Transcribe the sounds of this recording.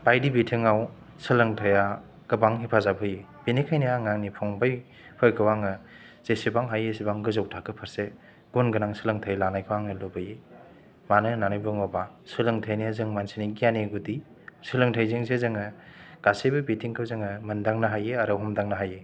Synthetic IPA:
bajdibitʰiŋaw | sɯlɯŋtʰaja | ɡ̥ɯbaŋɦipʰazabɯje | b̥inikʰajnijaŋaŋnipʰɔŋbaj | pʰɯjkʰɯwaŋɯ | z̥esibaŋɦajesibaŋɡɯzawtʰakʰɯpʰɐɾse | ɡ̥unɡɯnaŋsɯlɯŋtʰajlanajkʰɯwaŋnɯlobɯje | manɯnanojbɯŋɔba | sɯlɯŋtʰajnijazɯŋmansiniɡijaneɡudi | sɯlɯŋtʰajzeŋzezɯŋɯɡ̥asejbɯbitʰiŋkʰɯwzɯŋɯmɯndaŋnɐɦajeaɾawɦɔmdaŋnɐɦaje

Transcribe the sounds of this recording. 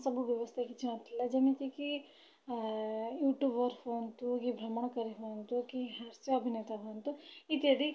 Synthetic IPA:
sɐbʱuʋjɐʋɐst̪ʰekit͡ʃʰinɐt̪ilːɐd͡ʒɐmik̪iki | juːʈjuːbɐɾfoːnt̪ukibʱɾɐmɐɳɐkɐɾiɦoːnt̪ukiɦaɾsjɐɐbʱineːt̪ɐɦont̪uit̪iɐd̪i

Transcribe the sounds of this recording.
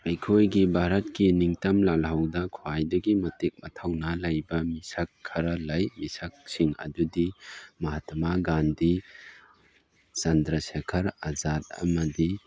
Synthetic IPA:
ɾajkʰojɡibʱaɾɐtkiniŋtɐmlalɦawdɐkʰoajdɐɡimɐtik̚mɐtʰawnɐlɐjbɐmisakʰːaɾɐlajmisak̚siŋɐ̰dudimɐɦatɐmaɡandi | t͡ʃɐndɾɐsekʰɐɾazat̚ɐ̰mɐdi

